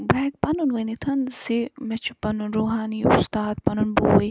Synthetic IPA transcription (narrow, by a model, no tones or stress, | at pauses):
bɛːɡ̚pɐnunʋɨnit̪ʰɐnsimɛt͡ʃʰupɐnunɾuːɦaːniṵst̪aːd̪̚pɐnunbṵʋɐj